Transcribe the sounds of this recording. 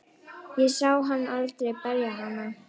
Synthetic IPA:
jɛsawɦanːalt̪ɾɛpɛɾjaɦana

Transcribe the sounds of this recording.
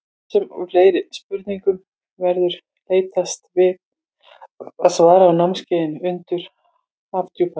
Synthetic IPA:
sɛmfleːjɾɪspʏɾt̪niŋkʏm | vɛɾðʏɾ̥ | leːjt̪ast̪vɪ | aðsvaːɾaːwnawmscɪːjðɪnʏnt̪ʏɾ̥ | haft̪ʰjupʰa

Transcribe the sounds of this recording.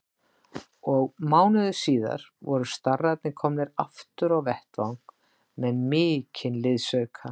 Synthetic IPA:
ɔɣmaːwnʏðʏsiːða̰ɾ̥vɔɾʏst̪arːat̪nɪkʰɔmnɪɾaft̪ʏɾawvɛht̪vawŋk | mɛnmɪːcʰɪnlɪðsœɥkʰa

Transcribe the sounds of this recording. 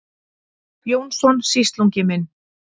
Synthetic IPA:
pjoːwnsɔnsist̪luɲcɪmɪn

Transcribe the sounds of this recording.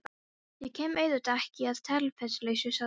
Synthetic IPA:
jɛɣcʰɛːmeːjðʏt̪ɛhcɪaðt̪ʰɛlfɛslejsʏsa

